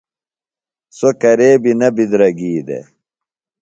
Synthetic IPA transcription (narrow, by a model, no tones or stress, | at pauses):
sokɐɾeːbinɐbid̪ɾɐɡiːd̪ḛ